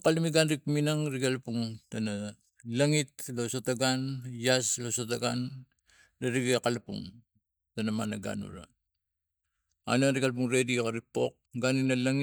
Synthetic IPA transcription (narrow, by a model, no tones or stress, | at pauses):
kalimiɡanɾikminaŋɾiɡalpuŋtana | laŋit̚losotaɡanjaslosotaɡan | laɾiɡekalapṵŋ | tanamanaɡa̰nṵɾa̰ | a̰naŋɾiɡalp̬uŋɾedikaɾipo̞̰k̚ɡaninalaŋi